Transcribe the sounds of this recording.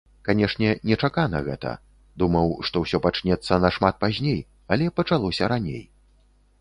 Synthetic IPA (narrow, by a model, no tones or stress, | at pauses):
kanʲɛʂnʲɛnʲɛt͡ʂakanɐ̰ɣɛ̰t̪ɐ̰ | d̪umɐwʂt̪ɔwsʲɔpat͡ʂnʲɛt̪sːɐnɐʂmat̪̚pazʲnʲej | ɐlʲɛpɐt͡ʂalˠɔsʲɐɾanʲḛj